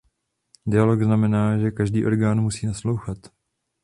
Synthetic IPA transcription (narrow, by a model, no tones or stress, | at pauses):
dɪjaloɡznamɛnaːʒɛkaʒdiːʔo̞ɾɡaːnmusiːnaslowxat̪